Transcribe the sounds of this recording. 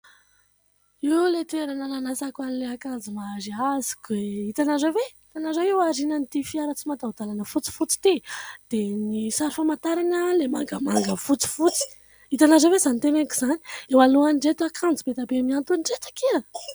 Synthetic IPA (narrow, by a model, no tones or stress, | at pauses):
iulet̪eɾanananasakuanileakand͡zimaɾiazi̥kueit̪anazəveit̪anazaiwaɾinant̪ifiaɾət͡simad̪aud̪alanəfut͡si̥fut͡si̥t̪id̪̥enisaɾifamant̪aɾanəlemaŋɡəmaŋɡəfut͡si̥fut͡si̥ | it̪anazəvezanit̪enekizani̥ewaluanɖ͡ʐet̪akʰãnd͡zibet̪abemiant̪unɳɖ͡ʐet̪ḁkiə